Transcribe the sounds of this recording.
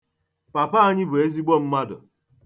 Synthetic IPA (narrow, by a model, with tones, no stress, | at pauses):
pa˨pa˦a˦ɲɪ˦bʊ˨e˦zi˦ɡ͡bɔ˦˨m̩˦ma˦dʊ̰˨